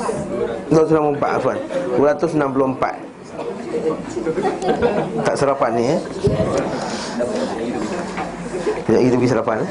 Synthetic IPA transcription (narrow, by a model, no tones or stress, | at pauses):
duat̪usnãmpumpa̰ʔ̪a̰fanəɾat̪usnampulɔmpa̰t̪̚ | t̪aʔsalafanni | aɡit̪ubəɡis̬alafan